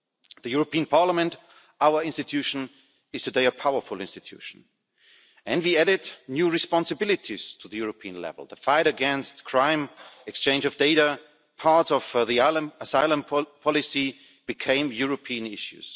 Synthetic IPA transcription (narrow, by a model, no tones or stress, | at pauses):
ðɨjʊɹəpʰiə̃npʰɑɹləmɨ̃nt | aʊə˞ɪ̃nstɨtʰʉʃn | ɨz̥tʰɨdeɪəpʰaʊə˞fʊl̩ˠɪ̃nstɨtʰj̥ʉ̰ʃn̩ | ɨ̃nwiæɾɪdnjuɹɨspɑ̃nsɨbɪlˠɨtʰiz̥tʰuðɨjʊɹəpʰiə̃nlɛ̰v̰l̩ˠðəfaɪɾɨɡɛ̃nstkʰɹ̥ãɪ̃mɨkst͡ʃʰẽɪ̃nd͡ʒʌvdeɪɾə | pʰɑɹtsʌv̥ðilə̃əsaɪlˠə̃mpʰɔlɨsi | b̥ɨkʰẽɪ̃mjʊɹəpʰiɨ̃nɪʃʉ̰z̥